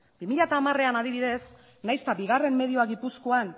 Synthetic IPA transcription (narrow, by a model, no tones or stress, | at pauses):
bimiʎat̪aːmare̞anað̞iβiðe̞s | najst̪abiɣ̞are̞mːe̞ð̞io̞aɣipusko̞an